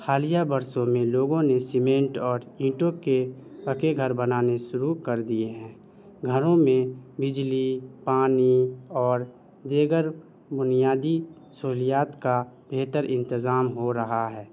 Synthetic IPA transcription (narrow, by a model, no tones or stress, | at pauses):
xaːlijabəɾsõmẽloːɡõnesɪmẽːɳʈɔːɾĩːʈokeəkeɡʱəɾbənaːneʃʊɾukəɾd̪ieɦɛ̃ː | ɡʱəɾõmẽbɪd͡ʒlipaːniɔːɾ | d̪eːɡəɾ | bʊnijaːd̪i | soːɦlijaːt̪kabʱeːt̪əɾɪ̃nt̪ɪzaːmɦoɾəɦaɦɛː